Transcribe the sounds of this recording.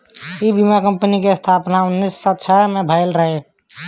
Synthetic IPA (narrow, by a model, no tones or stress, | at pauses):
ibimakəmpənikest̪ʰapnaunːisːətːt͡ʃʰəmebʱaɪlɾəɦe